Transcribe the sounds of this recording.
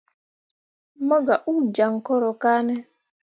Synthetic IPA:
mɔ˦ɡa˨ʔu˦d͡ʒa˨ŋkɔ˦ɾɔ˨ka˦nɛ˦

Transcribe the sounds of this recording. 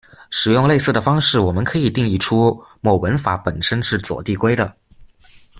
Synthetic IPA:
ʂɻ̩˨˩jʊ˥˧ŋle˥˧sɹ̩˥˩d̪ə˩fɑ˥ŋʂɻ̩˥˩wɔ˨˩mə˦nkʰɤ˧˥i˨˩t̪i˥˧ŋi˥˩ʈ͡ʂʰu˥mo˨˩ʊwə˧˥nfa˧˥pə˨˩nʂə˥nʂɻ̩˥˩t͡swɔ̰˨˩t̪i˥˩kwe˥ɪd̪ə˨

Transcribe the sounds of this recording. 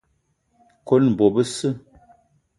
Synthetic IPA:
ko˦nm̩˨bo˨bə˦sɨ˦˨

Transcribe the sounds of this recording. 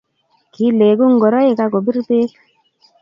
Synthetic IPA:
ki˨˦le˨ɡu˦ŋ˦ɡɔ˨ɾa˦je˨ka˦˧kɔ˨bi˦ɾbe˦k

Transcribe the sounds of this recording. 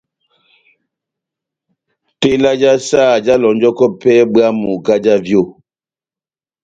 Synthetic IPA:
te˦la˦d͡ʒa˦saː˦˨d͡ʒa˦lɔ˨n˦d͡ʒɔ˦kɔ˦pɛ˦bɰa˦mu˨ɡa˦d͡ʒa˦vjo˦˨

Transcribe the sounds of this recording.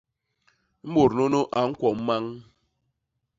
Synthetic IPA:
m̩˦mo˨ɾno˦no˦ʔa˨ŋ̩˦kʷɔ˨m̩˦ma˦ŋ

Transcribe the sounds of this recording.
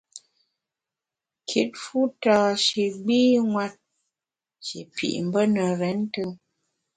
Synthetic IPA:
kʰi˨˦t̚fu˦taː˨ʃe˨ɡ͡biː˦ŋwa˦t̚ | ʃḛ˨pḭ˨ʔm̩˨bə˦nə˨ɾɛ˨˦n˦tɨ˦ŋ

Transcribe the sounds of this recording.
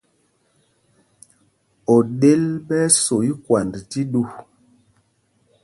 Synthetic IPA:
ɔ˨ɗe˦lɓɛ˦so˨i˦kwa˨ndti˦ɗu˦˨

